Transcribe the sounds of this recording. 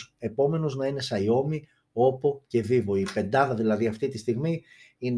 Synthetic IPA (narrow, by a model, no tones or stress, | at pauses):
e̞po̞me̞noznɐine̞sɐio̞mi | o̞po̞ce̞ðivo̞ipe̞nd̪ɐðɐðilɐðiɐft̪it̪ist̪iɣmi | in